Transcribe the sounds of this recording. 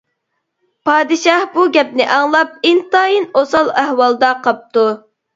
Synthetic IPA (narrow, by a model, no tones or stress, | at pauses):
pʰɑːd̪ɨʃɑhbuɡʲɛp̚nɪʔɑŋlˠɑp̚ɪnt̪ɑːjinosɑlˠæhwɑlˠd̪ɑqɑp̚t̪u